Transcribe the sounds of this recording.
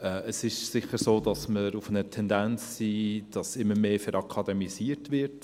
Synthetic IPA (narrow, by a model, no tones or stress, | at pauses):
ɛəsɪʃsɪχəɾsoːdɑsməɾufənətʰɛndænt͡sːiːd̥ɑsɪmːəmeːfɛɾʔɑkʰɑdɛmisiːəɾtvɪɾt